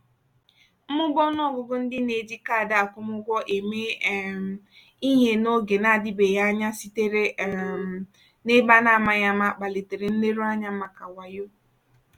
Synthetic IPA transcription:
mʊ˦ɡɔ˦nɔ˦˨ɡʊ˨ɡʊ˦n̩˦dɪ˦ne˨di˦ka˦˨da˨a˨kʷʊ˦mʊ˦ɡʷɔ˦ʔe˨me˦˨ | i˦ɦe˦no˦ɡe˨na˦˨dɪ˦be˨ja˦ɲa˦si˨te˦ɾe˦˨m˨ | nɪ˦ba˦na˦˨ma˨ja˦ma˦k͡pa˨le˨te˨ɾe˨n̩˦le˦ɾu˦a˦ɲa˦ma˨ka˨wa˨jo˦

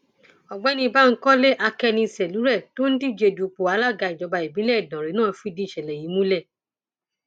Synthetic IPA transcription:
ɔ˨ɡ͡bɛ˦nĩ˧ba˦˨ŋ̩˦kɔ˦le˦ʔa˧kɛ˧nĩ˧sɛ˨lu˨˦ɾɛ˦˨to˦n̩˦ti˦˨d͡ʒe˧˨du˨k͡po˨a˨˧˦la˦˨ɡa˧˨i˨d͡ʒɔ˨˧˦ba˧i˨bĩ˨˦lɛ˦i˨dã˨ɾi˨˦nãː˦˨˧fu˦i˦˨dĩ˧˦˨ʃɛ˨lɛ˨ji˨˦mũ˦lɛ˦˨

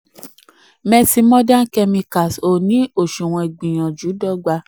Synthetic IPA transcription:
mɛ̃˧si˧mɔ̃˦dã˦kɛ˧mĩ˧ka˨so˨nĩ˨˦o˨ʃu˨w̃ɔ̃˧e˨ɡ͡bĩ˨j̃ã˨d͡ʒu˨˦dɔ˦ɡ͡ba˧

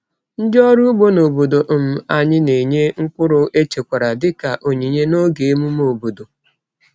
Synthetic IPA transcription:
n̩˦d͡ʒɔ˦ɾu˦ɡ͡bo˦no˨bo˨do˨ʔm̩˦a˨ɲɪ˦ne˨ɲe˦ŋ̩˦kʷʊ˦ɾʊ˨ʔe˦t͡ʃe˨kʷa˨ɾa˨dɪ˦ka˨ʔo˨ɲi˨ɲe˦no˦ɡe˨e˦mu˦m˦o˨bo˨do˨

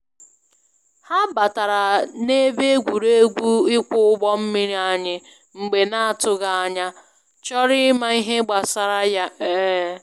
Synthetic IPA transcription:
ha˦ba˨ta˨ɾa˨ne˦be˦ɡʷu˨ɾe˦ɡʷu˦ɪ˦kʊ˦ʊ˦ɡ͡bɔ˦m̩˦mi˦ɾi˦a˨ɲɪ˦ | ŋ͡m̩˨ɡ͡be˨na˦a˨tʊ˦ɣa˦a˦ɲa˦ | t͡ʃɔ˦ɾɪ˦ma˦i˦ɦe˦ɡ͡ba˨sa˦ɾa˦ja˦e˦

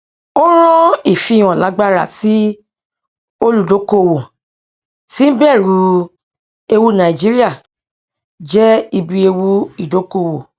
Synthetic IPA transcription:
o˦ɾ̃ɔ̃˦i˦˨fi˧˨j̃ɔ̃˨la˨˦ɡ͡ba˦ɾa˦˨si˨˦ | o˦lu˨do˨˦ko˦˨wo˨ | ti˦bɛ˦˨ɾu˨˧˦ | e˧wu˦nã˨i˨d͡ʒi˦ɾi˦a˦˨ | d͡ʒɛ˦i˧bi˧e˧wu˦i˦˨do˨˦ko˦˨wo˨

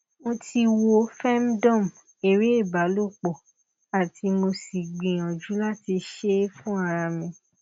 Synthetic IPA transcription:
mo˧ti˧wo˧fɛ˦m˦dɔ̃˦˨m˨ | e˨ɾe˦e˦˨ba˨˦lo˦˨k͡pɔ˨ | a˨ti˧mo˧si˨ɡ͡bĩ˨j̃ã˨d͡ʒu˨˦la˦ti˧ʃe˦fũ˦a˧ɾa˧mĩ˧

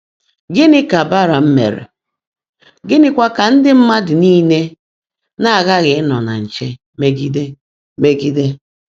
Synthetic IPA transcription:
ɡɪ˦nɪ˦ka˨ba˦ɾa˨m̩˦mḛ˨ɾḛ˨ | ɡɪ˦nɪ˦kʷa˦ka˨n̩˦dɪ˦m̩˦ma˦dɪ˨niː˦ne˦ | na˦a˨ɣa˦ɣɪ˨ɪ˦nɔ˨na̰˨n̩˨t͡ʃe˦ | me˦ɡi˦de˦ | me˦ɡi˦de˦

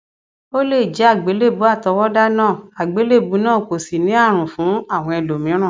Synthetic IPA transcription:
o˦le˦˨d͡ʒɛ˨˦a˦˨ɡ͡be˨˦le˦˨bu˨˦a˦˨tɔ˧wɔ˦da˦nãː˦˨a˨ɡ͡be˨˦le˦˨bu˨˦nãː˦˨ko˨si˨nĩ˨˦a˦˨ɾ̃ũ˨fũ˨˦a˦˨w̃ɔ̃˧ɛ˧lo˨mĩ˨˦ɾ̃ã˦˨

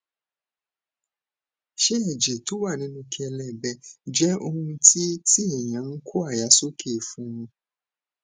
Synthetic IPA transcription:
ʃe˦ɛ˦˨d͡ʒɛ˨to˨˦wa˦˨nĩ˨˦nũ˧ki˦ɛ˧lɛ˦˨bɛ˧˨d͡ʒɛ˦o˧hũ˧ti˦tʰi˦ɛ˨j̃ã˨˦n̩˦kʰo˦a˦˨ja˨˦so˦kʰe˦˨fũ˨˦wũ˧

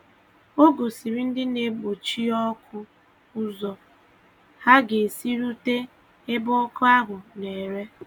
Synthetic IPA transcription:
o˦ɡo˨si˨ɾi˦n̩˦dɪ˦ne˨ɡ͡bo˨t͡ʃi˦ɔ˦kʰʊ˦ | ʊ˦zɔ˨ | ha˦ɡe˨si˦ɾu˦te˦ | e˦bʊ˦kʊ˦a˦ɦʊ˨ne˨ɾe˦

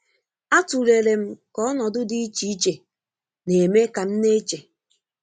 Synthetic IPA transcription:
a˦tu˨le˨ɾe˨m̩˦kɔ˦ɔ˦nɔ˨dʊ˦di˦i˦t͡ʃi˨˦i˦t͡ʃe˨ | ne˨e˨me˦ka˨m̩˦ne˦t͡ʃe˨

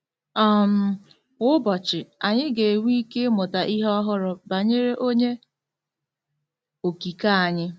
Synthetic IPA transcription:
ɔ˦˨m̩˨ | ʊ˦ʊ˦bɔ˨t͡ʃɪ˨a˨ɲɪ˦ɡe˨wi˦ke˦mʊ˨ta˨ʔi˦ɦɔ˦ɦʊ˦ɾʊ˨ba˨ɲe˦ɾe˦ʔo˦ɲe˦ | o˨ki˨ka˦a˨ɲɪ˦

